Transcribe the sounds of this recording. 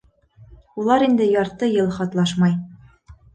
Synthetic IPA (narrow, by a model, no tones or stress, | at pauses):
ulˠɑɾind̪ɘjɑɾt̪ɤjɤlˠχɑt̪lˠɑʃmɑj